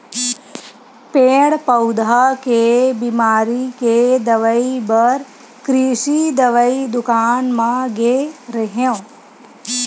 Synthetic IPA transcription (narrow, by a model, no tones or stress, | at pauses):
peːɽpɐʊd̪ʱakebiːmaːɾiked̪ɐʋəibəɾ | kɾiːʃid̪əʋəid̪ʊkaːnmãɡeɾəɦjõ